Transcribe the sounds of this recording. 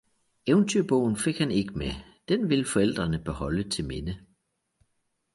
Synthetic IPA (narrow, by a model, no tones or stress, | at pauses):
eʊnt͡sʰyɐ̰b̥ɔʊ̰n̩fe̝ɡ̥hæne̝ɡ̥əmed̥enʋe̝lfɒ̽el̰d̥ʁɐnəb̥ehɒ̽lət͡sʰe̝lme̝nə